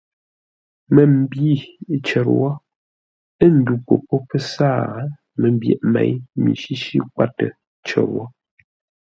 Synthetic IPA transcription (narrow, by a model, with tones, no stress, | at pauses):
mə˨m̩˨bi˦˨˦t͡ʃɛ˨ɾwɔ˦ | ə˦˨n̩˨˦du˨po˨pɔ˦pə˦sa˦˨˦ | mə˨m˦bjɛ̰˨ʔmɛ̰˨jmḭ˨ʃi˦ʃi˦kwa˦tə˨ | t͡ʃɛ̰˨ɾwɔ˦